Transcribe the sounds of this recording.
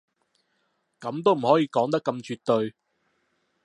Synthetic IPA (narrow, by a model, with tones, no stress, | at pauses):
kɐ˨˥mt̪̬o˥wm̩˨˩hɔː˨˥jiː˨˧˥kɔː˨˥ŋt̪ɐ˥kːɐ˧mt͡ʃyː˧t̪ɵ˧ɥ